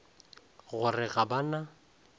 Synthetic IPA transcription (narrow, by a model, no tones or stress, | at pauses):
ɣʊrɪɣabana